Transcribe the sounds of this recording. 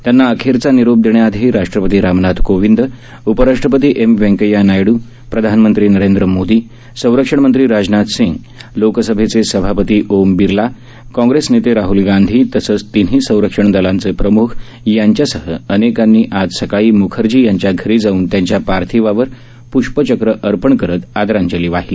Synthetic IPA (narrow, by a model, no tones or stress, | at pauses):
t̪janːaːkʰeɾt͡saniɾob̚d̪eɳ̃jaad̪ʱeɾaʂʈɾəpət̪iːɾamnat̪koʋind̪ | upəɾaʂʈɾəpət̪iːʔemʋẽŋkəjanajɽuː | pɾəd̪ʱanmənt̪ɾiːnəɾend̪ɾəmod̪iː | sə̃w̃ɾəkʂəɳ̃mənt̪ɾiːɾad͡ʑnat̪sĩŋɡ | loksəbʱet͡sesəbʱapət̪iːʔombiɾla | kɔ̃ŋɡɾesnet̪eɾaɦulɡand̪ʱiːt̪əsəːt͡st̪in̤iːsə̃w̃ɾəkʂəɳd̪əlant͡sepɾəmukʰ | jaɲt͡ɕjasəɦəənekanːiːʔad͡zsəkaɭiːmukʰəɾd͡ʑiːjaɲt͡ɕjaɡʱəɾiːd͡zauːnt̪jãɲt͡ɕjapaɾt̪ʰiʋaʋəɾ | puʂpət͡ɕəkɾəʔəɾpəɳkəɾət̪ad̪ɾãɲt͡ɕəliːʋaɦili